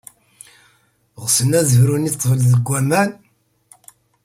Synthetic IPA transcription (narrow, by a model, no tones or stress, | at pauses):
ʁsənæzəhɾunit̪ˤːvəlðəɡʷːæmæn